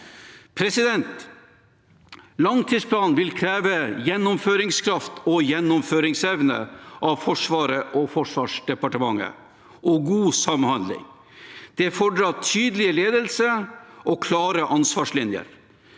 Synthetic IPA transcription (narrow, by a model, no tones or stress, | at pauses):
pʰɾɛsɪd̪ɛnt̪ | lɑŋt̪ʰiːspʰlɑːnʋɪlkʰɾæːʋəjɛnːʊmføːɾɪŋskʰɾɑft̪ʰɔjɛnːʊmføːɾɪŋsɛʋnə̰ʔɑʋfɔʂʋɑːɾəʔɔfɔʂʋɑːʂɖɛpɑʈəmɑŋːə̰ | ʔɔɡuːsɑmhɑnd̪lɪ̰ŋ | d̪̥ɛfɔɖɾɑtʰyːd̪əlɪəleːd̪əlsəʔɔkʰlɑːɾəʔɑnsʋɑːʂlɪnjə̰ɾ